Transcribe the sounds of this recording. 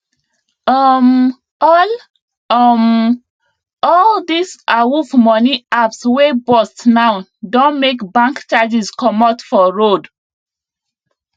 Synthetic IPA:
ɔm | ɔl | ɔm | ɔldisawuvmɔniapswebɔstnawdõnmekbãŋkt͡ʃad͡ʒiskɔmatfɔɹod

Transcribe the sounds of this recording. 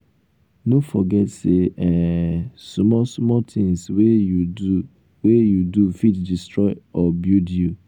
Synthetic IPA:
nõfɔɡɛtseɛsmɔsmɔtʰɪ̃ŋswejuu | wejudufitdistʰɹɔɪɔbjudju

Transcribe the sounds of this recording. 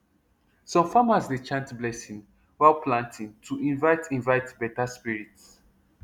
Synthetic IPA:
sɔ̃mfamasdet͡ʃãntblɛsĩŋ | walpʰlãntʰĩntʰuĩnvaɪtʰĩnvaɪtbɛtaspiɹits

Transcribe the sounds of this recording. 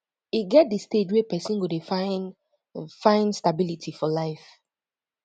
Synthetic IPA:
iɡɛt̚disted͡ʒwɛpɛsĩnɡudfan | fãɪ̃nstabilitʰifɔlaɪf

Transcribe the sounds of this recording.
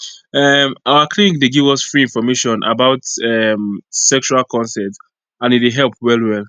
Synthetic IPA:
ɛmaʊəkʰlĩnik̚deɡivɔsfɹiĩnfɔmeʃɔ̃nʔa̰baʊtɛmsɛkʃualkʰɔ̃nsɛt | ãnitwɪɦɛlˠpwɛlwɛlˠ

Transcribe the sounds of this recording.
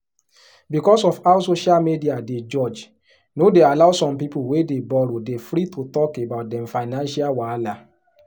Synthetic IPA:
bikɔsɔfaʊsoʃalmidiaded͡ʒɔd͡ʒ | nodealaʊsɔ̃mpipuwedebɔɾodefɾitutɔkebaʊt̚dɛ̃mfaɪnãnʃalwala

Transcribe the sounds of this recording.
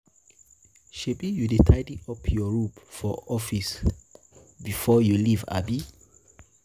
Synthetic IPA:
ʃebijudetʰaɪdiɔpʰjɔɹupfɔʔɔfis | bifɔjuliva̰bi

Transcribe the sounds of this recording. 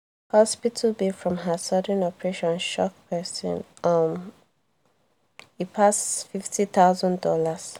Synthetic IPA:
hɔspitʰəlbifɹɔ̃mɦəsʌdə̃nɔpɹeʃɔ̃nʃɔk̚pʰɜsə̰̃nʔʌm | ipʰasfiftʰiθaʊzə̃ndɔlas

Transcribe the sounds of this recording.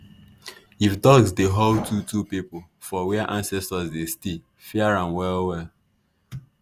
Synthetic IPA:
iftɔksdeɦɔltʰutupipʊ | fɔwɛʔãnsɛstasdeste | fɛaɹãnwɛlwɛl

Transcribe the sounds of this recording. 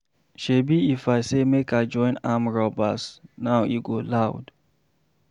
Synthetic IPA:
ʃebiifaɪsemekad͡ʒɔ̃ɪ̃namɹɔbasnaʊḭɡolaʊd

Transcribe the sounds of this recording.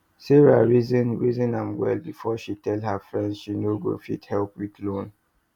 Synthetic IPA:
siɹaɹizĩnɹizĩnãmwɛ̰lbifɔʃitɛlɦafɹɛ̃ndʃinoɡo̰fḭthɛlpwiðlõn

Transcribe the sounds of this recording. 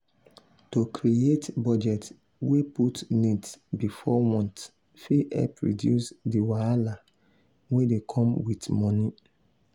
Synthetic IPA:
tokʰɹietbɔd͡ʒɛt | weputnidsbifɔwɔ̃nt | fiʔɛ̰pɹḭdjṵsdiwaala | wedekʰɔ̃mwitmɔni

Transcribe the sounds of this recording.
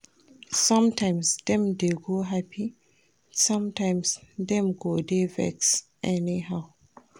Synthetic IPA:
sɔ̃mtãɪ̃msdɛ̃mdeɡoɦapʰi | sʌ̃mtãɪ̃msdɛ̃mɡodevɛ̰ksʔɛniɦaʊ

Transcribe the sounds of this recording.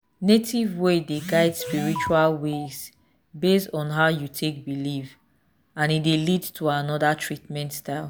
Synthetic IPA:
netʰivwedeɡaɪdspiɹit͡ʃualwez̥ | bestɔ̃nɦaʊjutʰek̚biliv | ãnitdelidtʰuanɔdatʰɹitmɛ̃ntstaɪlˠ

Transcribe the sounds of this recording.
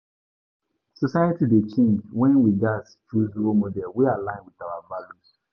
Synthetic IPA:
sɔsaɪətidet͡ʃẽnd͡ʒwɛ̃nwid͡ʒast͡ʃuzuomodɛlwialãɪ̃nwiðawavalus

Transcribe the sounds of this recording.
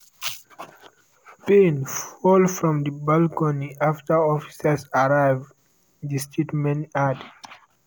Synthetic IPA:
pẽnfɔlfɹɔ̃mdəbalkɔniaftəɔfi̥səsaɹaɪv | distʰitmɛ̃nad

